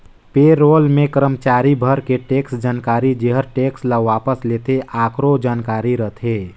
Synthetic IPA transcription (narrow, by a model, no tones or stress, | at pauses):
peːɾoːlmẽkəɾəmt͡ʃaːɾibʱəɾkeʈeːksd͡ʒaːnkaːɾid͡ʒeɦəɾʈeːksləʋaːpəsleːt̪eʔaːkɾod͡ʒaːnkaːɾiɾət̪ʰeː